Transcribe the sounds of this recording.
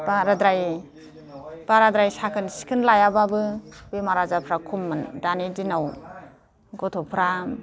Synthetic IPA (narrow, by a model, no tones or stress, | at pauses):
baɾadɾaj | b̥aɾadɾajsakʰɯnsi̥kʰɯnlajababɯbejmaɾazapʰɾakʰumːɯndanidinaw | ɡɔtʰɔpʰɾa